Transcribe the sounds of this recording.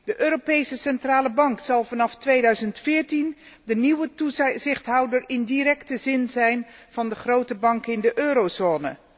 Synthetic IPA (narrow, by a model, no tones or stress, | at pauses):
dəʔøːropejsəsɛntraːləbɑŋksɑlˠvɑnɑftʋejdœɥzəntfɪːɹtin | dəniwətuzɪχtɦɑwdəɹɪndirɛktəzɪnzɛjnv̥ɑndəχrowtəbɑŋkɪndəʔøːɾowzoːnə̰